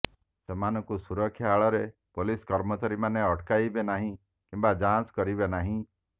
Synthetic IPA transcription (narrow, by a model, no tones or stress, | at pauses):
semanɔkusuɾɔkʰːjaːɭɔɾepoliskɔɾmɔt͡ʃaɾimaneɔʈkajbenaɦĩ | kimbad͡ʒãskɔɾibenaɦĩ